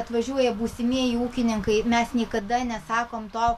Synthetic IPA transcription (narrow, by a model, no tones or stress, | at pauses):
ɐt̪ʋɐʒʲuɔjɛbuːsʲɪmʲiɛjiuːkʲɪnʲɪŋkɐɪmʲɛsnʲiɛkɐd̪ɐnʲɛsɑːkoːmt̪oː